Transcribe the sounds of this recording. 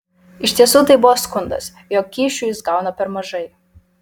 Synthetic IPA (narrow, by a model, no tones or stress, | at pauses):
ɪʃʲt̪ʲiɛsuːt̪ɐɪbʊʋoːskʊnd̪ɐ̰s | joːkːʲiːʃʲuːjɪsɡɑˑʊnɐpʲɛɾmɐʒɐɪ